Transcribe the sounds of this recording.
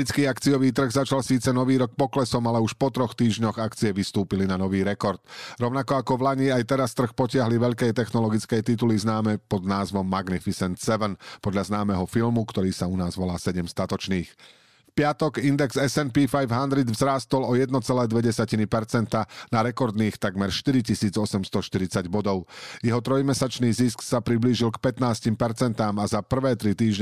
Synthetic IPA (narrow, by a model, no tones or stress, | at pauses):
it͡skiːakt͡sijɔʋiːt̪̬r̩ɣzat͡ʃalsiːt͡sɛnɔʋiːɾɔk̚pɔklɛsɔmalɛuʃpɔt̪ɾɔxt̪iːʒɲɔɣakt͡sijɛʋist̪uːpilinanɔʋiːɾɛkɔɾt̪ɾɔʊnakɔakɔʋlaɲiːajt̪ɛɾast̪r̩xpɔcɪaɦliʋɛʎkɛjt̪ɛxnɔlɔɡit͡skɛjt̪it̪̬uliznaːmɛpɔd̪naːzʋɔmːaɡnifisɛnt̪sɛʋɛnpɔd̪ʎaznaːmɛɦɔfilmukt̪ɔɾiːsaunaːzʋɔlaːsɛɟɛmst̪at̪ɔt͡ʃniːx | fpɪat̪ɔɡind̪ɛɡz̥ɛsɛnpifajvɦand̪ɾid̪vzɾaːst̪ɔlɔjɛd̪nɔt͡sɛlɛːd̪ʋɛɟɛsacinipɛɾt͡sɛnt̪anaɾɛkɔɾd̪niːxt̪aɡmɛɾʃt̪iɾicisiːd͡zɔsɛmst̪ɔʃt̪iɾit͡saɟbɔd̪ɔʊjɛɦɔt̪ɾɔjmɛsat͡ʃniːzisksapɾibliːʒilkpɛt̪naːscimpɛɾt͡sɛnt̪aːmazapr̩ʋɛːt̪ɾit̪iːʒ